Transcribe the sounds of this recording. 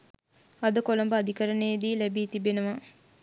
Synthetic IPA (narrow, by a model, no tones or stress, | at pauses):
ɐd̪əkolombəad̪ikəɾənejd̪iːlæbiːt̪ibenəʋa